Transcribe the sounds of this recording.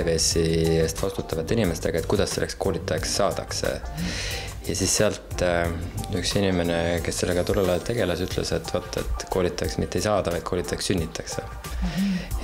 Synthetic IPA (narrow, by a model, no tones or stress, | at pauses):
eve̞ːsiest̪vɑst̪ut̪ːˑɑvɑt̪ːinime̞st̪e̞ɡ̥ɑet̪̚kujd̪̥ɑsːe̞lːʔeskʰo̞ːlʲit̪ːˑɑjeksːɑːd̪̥ɑksḛ | jɑsisːeɑlt̪ | yksinʲime̞neke̞sːe̞lːeɡ̥ɑt̪ulelɑlt̪e̞ɡ̥e̞lɑsyt̪ːˑlḛse̞t̪ːˑvɑt̪ːˑḛt̪ˑko̞ːlit̪ːˑɑeksmit̪ːe̞jsɑːd̪ɑvɑjd̪̥̚ko̞ːlit̪ːˑɑjeksynʲːit̪ːˑɑkse̞